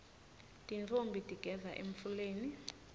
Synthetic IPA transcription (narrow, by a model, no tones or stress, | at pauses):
tʼint͡fʰombʱitʼiɡ̥ʱɛzaʔem̩fuleːni